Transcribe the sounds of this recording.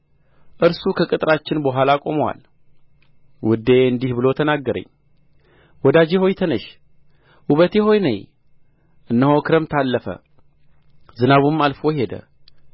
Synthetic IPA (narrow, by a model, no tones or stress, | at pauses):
ʔɨɾsukʰəkʼɨt̪ʼɾat͡ʃːɪnbəɦʷalakʼo̞məwa̰l | wʊd̪ːeeɨnd̪ihbɨlo̞t̪ʰənaɡːəɾə̰ɲː | wɔd̪ad͡ʒeho̞jt̪ʰənəʃ | ʔuβət̪eɦo̞jnə̰ɲ | ʔɨnːəhokʰɨɾəmt̪ʰalːəfə̰ | zɨnaβumalfo̞jɦe̞d̪ə̰